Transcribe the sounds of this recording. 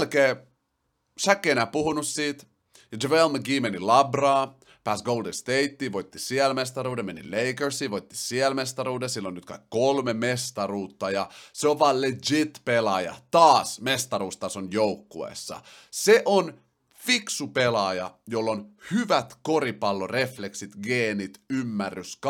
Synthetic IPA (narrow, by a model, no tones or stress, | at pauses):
lkeː | sækːeːnæpuhunussiːt̪ | jɑd͡ʒeʋelməɡiːmenilɑbrɑː | pæsɡowldenst̪eit̪ːiːʋojt̪ːisiɛlmest̪ɑɾuːdemenḭleikersiːʋojt̪ːi̥siɛlmest̪ɑɾuːdesilːonːyt̪kɑ̰ikkolmemest̪ɑruːt̪ːɑjɑseoʋʋɑːled͡ʒit̪pelɑjɑ̰t̪ɑːsmest̪ɑɾuːst̪ɑsonjowkːuḛːˑsːɑ̰ | seʔon | fiksupelɑjɑ̰jolːonhyʋæt̪ko̞ɾipɑlːore̞fleksit̪ɡeːnit̪ymːærːysk